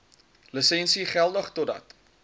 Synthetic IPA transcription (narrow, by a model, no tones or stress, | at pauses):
ləsɛnsiχælˠdəχtodɐ̰t